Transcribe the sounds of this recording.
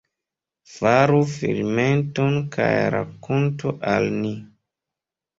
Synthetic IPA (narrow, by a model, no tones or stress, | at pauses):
faɾufilmentonkʰajɾakontuʔalni